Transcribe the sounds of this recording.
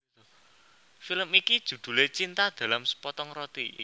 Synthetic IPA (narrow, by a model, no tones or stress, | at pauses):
filəmikid̥ʒ̥ṳd̪̥ṳlet͡ʃint̪ad̪̥ä̤lamsə̥pɔt̪ɔŋrɔt̪i